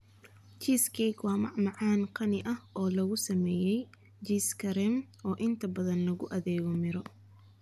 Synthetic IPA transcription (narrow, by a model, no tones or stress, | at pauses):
t͡ʃiːskʰɛkwɑːmɑʕmɑʕɑːnqʰɑnɪʔɐhɔːlɐɣʊsɐmɛːjɛj | d͡ʒiːskʰɐɾɛmʔɔːʔɪnt̪ʰɐbɐðɐnlɐɣʊʔɐðɛːɣɔmɪɾɔ